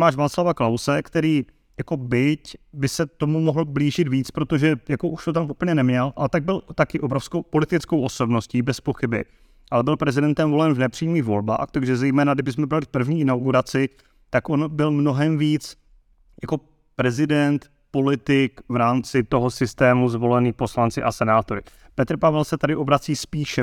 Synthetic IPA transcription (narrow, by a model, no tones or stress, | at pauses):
maːʃvaːslavaklawsɛkt̪ɛɾiː | jako̞bɪcbɪsɛt̪o̞mumoɦl̩bliːʒɪt̪viːt͡spɾo̞t̪oʒɛjako̞ʔuʃt̪ot̪amʔupl̩ɲɛnɛmɲɛlʔalɛt̪aɡ̚bɪlt̪akɪʔobɾo̞fskowpo̞lɪt̪ɪt͡skowʔo̞so̞bno̞sciːbɛspo̞xɪbɪ̰ | ʔalɛbɪlpɾɛzɪdɛnt̪ɛmvo̞lɛnvnɛpr̥iːmiːxvo̞lba̰ːxt̪aɡʒɛzɛjmɛːnaɡdɪbɪsmɛbɪalɪpr̩vɲiːɪnawɡuɾat͡sɪ | t̪akʔo̞nbɪlmno̞ɦɛmviːt͡s | jako̞ | pɾɛzɪdɛnt̪ | po̞lɪt̪ɪkvɾaːmt͡sɪt̪o̞ɦosɪst̪ɛːmuzvo̞lɛniːpo̞slant͡sɪʔasɛnaːt̪o̞ɾɪ | pɛt̪ɾpavɛlsɛt̪adɪʔo̞bɾat͡siːspiːʃɛ